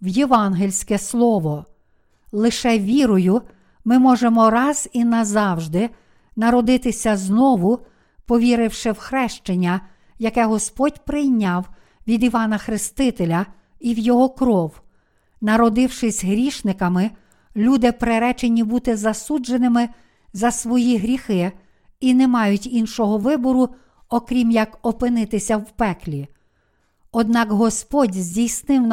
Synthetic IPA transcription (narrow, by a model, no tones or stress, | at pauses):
wjeʋɑnɦelʲsʲkɛslˠɔʋɔ | lˠɪʃɛʋʲiɾʊjʊ | mɪmɔʒemɔɾɑz̥inɐzɑwʒd̪ɪ | nɐɾɔd̪ɪt̪ɪsʲɐznɔʋʊ | pɔʋʲiɾɪwʃɪwxɾɛʃt͡ʃenʲːɐ | jɐkɛɦɔspɔdʲpɾɪjnʲːɑw | ʋʲid̪iʋɑnɐxɾɪst̪ɪt̪elʲɐ | iwjɔɦɔkɾɔw | nɐɾɔd̪ɪwʃɪsʲɦɾʲiʃnɪkɐmɪ | lʲud̪ɪpɾeɾɛt͡ʃenʲibut̪ɪzɐsud͡ʒenɪmɪ | zɐsʋɔjiɦɾʲixɪ | inɛmɑjʊtʲinʃɔɦɔʋɪbɔɾʊ | ɔkɾʲimjɐkɔpɪnɪt̪ɪsʲɐwpɛklʲi | ɔd̪̚nɑkɦɔspɔdʲzʲdʲijsnɪwn